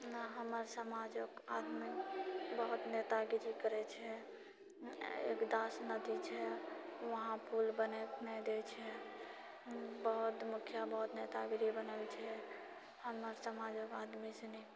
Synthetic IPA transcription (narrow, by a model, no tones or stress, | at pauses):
naɦəməɾsəmad͡ʒəkad̪mikbəɦut̪net̪aɡiɾikəɾɛt͡ʃʰɛ | ḛkd̪asnəd̪it͡ʃʰɛʋəɦãpʰulbənɛt̪nɛd̪et͡ʃʰɛ | bəɦut̪mukʰjabəɦut̪net̪aɡɾibənəlt͡ʃʰɛ | həməɾsəmad͡ʒəkad̪misenɛ